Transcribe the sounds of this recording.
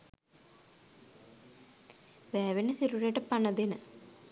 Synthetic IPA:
ʋæːʋenəsiɾuɾjəʈəpanɐd̪enə

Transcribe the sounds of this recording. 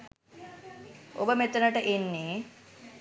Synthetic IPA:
o̰bəmet̪ənəʈəʔenːeː

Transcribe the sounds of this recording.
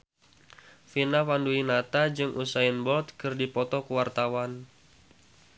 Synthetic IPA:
finafanduinat̪ad͡ʒɨŋʔusaɪnbɔlt̪̚kɨrdipɔt̪ɔkuwart̪awan

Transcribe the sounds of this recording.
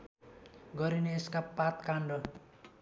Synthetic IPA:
ɡʌɾineːskapat̪kaɳɖʌ

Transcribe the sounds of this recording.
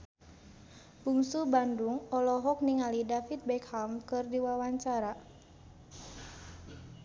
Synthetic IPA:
b̥uŋsubanduŋɔlɔɦɔk̚niŋalidafit̪̚bɛkhamkɨrdiwawaɲt͡ʃaɾa

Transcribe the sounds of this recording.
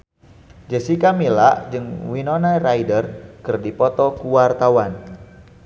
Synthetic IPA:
d͡ʒəsikamila̰ʔd͡ʒɨŋwinɔnaraidərkɨrdipɔt̪ɔkuwart̪awan

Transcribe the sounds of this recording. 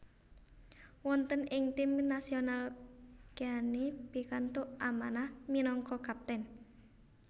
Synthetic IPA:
wɔnt̪ənɪŋt̪imnasionalkanipikant̪uʔʔamanahminɔŋkɔkap̚t̪ɛn

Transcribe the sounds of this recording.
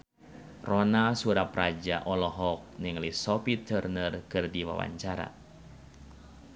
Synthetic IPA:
rɔnasuɾaprad͡ʒaʔɔlɔɦɔk̚nɨŋlisɔpit̪ərnərkɨrdiwa̰wa̰ɲt͡ʃaɾa̰

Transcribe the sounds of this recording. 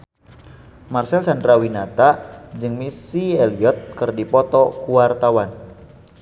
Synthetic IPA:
marsɛlsandɾawinat̪ad͡ʒɨŋmisiɛliɔt̪̚kɨrdipɔt̪ɔkuwart̪awan

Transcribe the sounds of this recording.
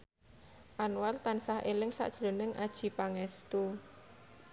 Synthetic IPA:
ʔanwart̪ansahelɪŋsa̰ʔd̥ʒ̥lonəŋʔad̥ʒ̥i̤paŋɛst̪u

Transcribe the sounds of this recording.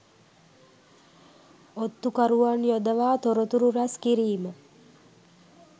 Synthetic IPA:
ot̪ːukaɾuʋanjod̪əʋaːt̪oɾot̪uɾuɾaskiɾiːmə

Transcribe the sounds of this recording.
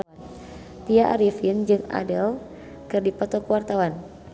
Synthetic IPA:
t̪iaʔaɾifind͡ʒɨŋa̰dəl | kɨrdipɔt̪ɔkuwart̪awan

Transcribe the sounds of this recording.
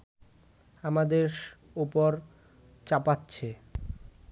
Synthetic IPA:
amad̪eɾʃ | upoɾ | t͡ɕapatːɕʰe

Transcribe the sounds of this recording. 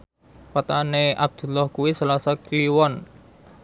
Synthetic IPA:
pat̪aneʔab̚d̪̥ṳlɔhkuwisalasɔkliwɔn

